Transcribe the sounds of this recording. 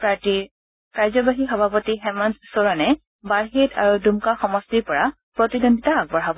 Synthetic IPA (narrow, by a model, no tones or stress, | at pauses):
pɹaɹtiɹ | kaɹzɔbaɦixɔbʱapɔtiɦɛmandsoɹɔnɛ | baɹɦetʰa̰ɹudumkaxɔmɔstiɹpɔɹa | pɹɔtidondʱitaːɡ̚bɔɹɦab